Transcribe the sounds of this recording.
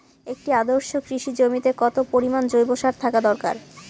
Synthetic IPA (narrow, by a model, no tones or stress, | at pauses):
ek̚ʈiad̪oɾʃokɾiʃid͡ʑomit̪ekɔt̪opoɾimand͡ʑojboʃaɾt̪ʰakad̪ɔɾka̰ɾ